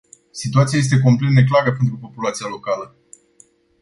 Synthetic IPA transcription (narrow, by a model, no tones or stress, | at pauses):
sit̪uat̪siaje̞st̪e̞k̬o̞mple̞t̪ne̞klaɾəpe̞nt̪ɾupo̞pulat̪sijalo̞kalə